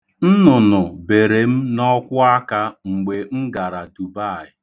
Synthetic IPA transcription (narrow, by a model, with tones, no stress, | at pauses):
n̩˦nʊ˨nʊ˨be˨ɾe˨m̩˦nɔ˦kʷʊ˦a˦ka˦ŋ͡m̩˨ɡ͡be˨ŋ͡m̩˦ɡa˨ɾa˨du˨ba˦˨ɪ˨